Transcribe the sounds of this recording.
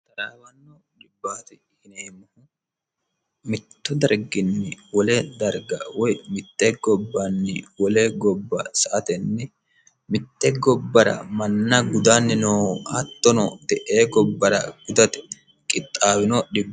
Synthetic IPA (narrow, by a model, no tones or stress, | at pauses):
t̪ɐɾaːwɐnːɔ | dɪbːaːt̪ɪ | hɪneːmɐhʊ | mɪt̪ːʊd̪ɐɾɡɪnːɪwɔlɛd̪ɐɾɡɐ̰wɔjmɪt̪ːɛɡɔbːanːɪ̰wɔlɛɡɔbːɐsɐʔɐt̪ɛnːɛ | mɪt̪ːɛɡɔbːɐɾɐ̰mɐnːɐɡʊd̪anːɪnoːɐt̪ːɔnɔ̰d̪ɛʔeːɡɔbːɐɾɐ̰ɡ̥ʊd̪ɐt̪ɛ̥ | kʼɪt̪ʼːaːwɪnɔɗɪbː